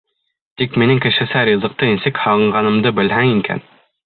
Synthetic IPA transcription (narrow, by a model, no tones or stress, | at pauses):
t̪ikminɘŋkɘ̆ʃɘ̆sæɾʲizɤ̆q̚t̪ɤinsɘkhɑʁɤ̆ɴɢɑnɤ̆md̪ɤbɘ̆lɦæŋiŋkæ̰n